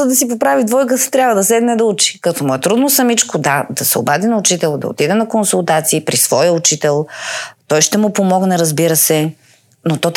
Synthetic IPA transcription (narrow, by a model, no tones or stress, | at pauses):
əd̪ɐsipopɾavid̪vɔjk̬əst̪ɾʲjavvəd̪ɐsɛd̪nɛd̪ɐut͡ʃi̥kɐt̪ɔmuɛt̪ɾud̪nosɐmit͡ʃkʊd̪ad̪ɐsɛo̰bad̪inɐʊt͡ʃit̪ɛlˠd̪ɐ̰o̰t̪id̪ɛnɐkonsulˠt̪at̪siːpɾisv̥ɔjəut͡ʃit̪ɛlˠt̪ɔjʃt̪ɛmʊpomɔɡnɛɾɐzbiɾəsɛ | not̪ɔt̪